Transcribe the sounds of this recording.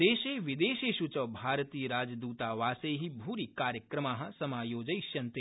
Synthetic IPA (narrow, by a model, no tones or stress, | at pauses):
eːʃeːʋɪd̪eːʃeːʃut͡ʃɐʋbʱaːɾt̪iːəɾaːd͡ʒd̪uːt̪aːʋaːseɦibʱuːɾikaːɾjəkɾɐmaːɦɐ̆sɐmaːjoːd͡ʒɐjʃjɐnt̪e